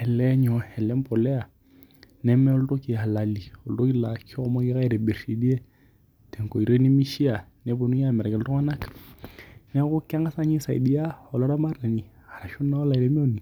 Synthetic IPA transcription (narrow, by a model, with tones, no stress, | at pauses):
ɛ˨lɛ˦ɲɔ˨ɛ˨lɛ˦m˦pɔ˨lɛ˦a˨ | nɛ˦mɛ˦ɔ˦ltɔ˦ki˨ha˨la˨li˨ɔ˨ltɔ˦ki˦la˨kʰɔ˦ɔ˦ma˦ki˦ka˦i˨ɾɛ˨be˨ɾsi˨di˦ɛ˦ | tɛ˨ŋko˨i˨ɾe˦ni˦mi˦ʃi˦a˨nɛ˨˦bo˨nu˦ja˦˨mɛ˨ɾa˨kɛ˨ltɔ˦ŋa˦na˦k | nɛ˦ku˦ka˦ŋɡa˦sa˦ɲi˦sa̰˨ḭ˨di˦ja˦ɔ˨lɔ˦ɾa˦ma˦rna˨ni˨ | ha˨ɾa˨ʃu˦na˦ɔ˦la˨i˨ɾɛ˦mɛ˦o˦˨ni˨